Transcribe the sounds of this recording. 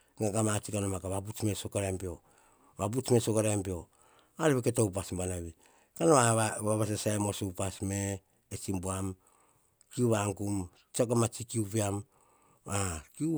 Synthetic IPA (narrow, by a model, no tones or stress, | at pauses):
ŋaɡamat͡ʃikanomakaβabut͡ʃme̞sokaɾempio̞ | βabut͡ʃmesokaɾampio̞ | aɾiβeketoup̬asmbanaβi | kanoaβaβas̬asaemosoupasmeː | t͡ʃimbuam | kiuβaŋkum | t͡ʃakamat͡ʃikiupiam | akiu